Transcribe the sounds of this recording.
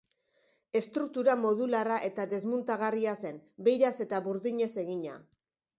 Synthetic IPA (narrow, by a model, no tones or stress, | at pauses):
e̞st̪ɾuk̚t̪uɾamo̞ðularaʔe̞t̪aðe̞zmunt̪aɣ̞ariase̞nbe̞jɾase̞t̪aβuɾðiɲe̞se̞ɣiɲa̰